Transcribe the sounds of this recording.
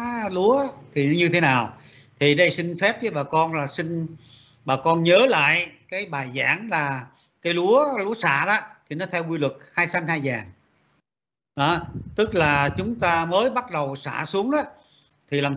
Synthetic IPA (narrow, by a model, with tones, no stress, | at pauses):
lu˨˦ət̪ʰi˨˩˦ɲɨ˧t̪ʰe˨˦naː˨˩w | t̪ʰi˨˩ɗə˧jsï˧ŋ̟fɛ˦˥p̚kəː˨˦jɓaː˨˩kɔ˧nlaː˨˩sï˧ŋ̟ | ɓaː˨˩kɔ˧nɲəː˨˦la̰ː˧˨jkaː˨˦jɓaː˨˩jza̰ː˧˩˦ŋlaː˨˩ | kaː˨˦jlu˨˦əlu˨˦əsa̰ː˧˨ɗa˨˦t̪ʰi˨˩nɔ˨˦t̪ʰɛ˧wkwi˧lwɨ˨˩k̚haː˧jsaː˨˧˦nhaː˧jzaː˨˩ŋ | ɗɔ˨˦t̪ɨ˦˥k̚laː˨˩t͡ɕʊ˨˦ŋ͡mt̪aː˧məː˨˦jɓa˦˥t̚ɗə˨˩wsa̰ː˧˩su˨˦əŋɗɔ˨˦ | t̪ʰi˨˩laː˨˩m